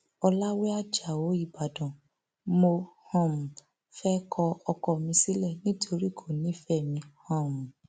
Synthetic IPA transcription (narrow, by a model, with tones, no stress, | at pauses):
ɔ˧la˦we˦a˦d͡ʒa˨wo˨˦i˦˨ba˨dɔ̃˨ | mo˧hɔ̃˦˨m̩̃˨ | fɛ˦kʰɔ˧ɔ˧kɔ˦˨mĩ˧si˦lɛ˦˨nĩ˦tʰo˧ɾi˦˨kʰo˦˨nĩ˨˦fɛ˦˨mĩ˧hɔ̃˦˨m̩̃˨